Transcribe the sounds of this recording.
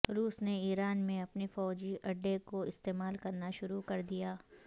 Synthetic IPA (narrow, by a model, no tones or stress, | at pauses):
ɾuːsneiːɾaːnmẽɐpniefɔːd͡ʒiʔɐɖːekoɪst̪eːmaːlkɐɾnaʃʊɾukɐɾd̪ijaː